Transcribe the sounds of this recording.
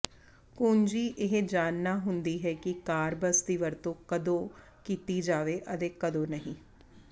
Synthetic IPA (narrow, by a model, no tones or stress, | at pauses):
koːnd͡ʒiːʔɪɦd͡ʒaːnːaːɦʊnd̪iːɦɛːkɪkaːɾbəst̪iːʋəɾt̪õːkəd̪õː | kiːt̪iːd͡ʒaːʋeːʔət̪eːkəd̪õːnəɦĩː